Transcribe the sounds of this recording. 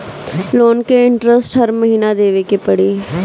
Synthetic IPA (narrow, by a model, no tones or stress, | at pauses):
loːnkeɪɳʈɾəsʈɦəɾməɦiːnad̪eːʋekepəɽiː